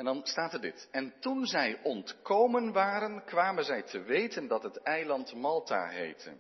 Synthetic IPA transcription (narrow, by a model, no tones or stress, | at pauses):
ɛndɑnstaːtɛɹdɪ̰tɛntunzɛjʔɔntkowmənʋaːɾənkʋaːmənzɛjtʰəʋejtəndɑtɦətɛjlɑntmɑlˠta̰ːɦḛjtə̰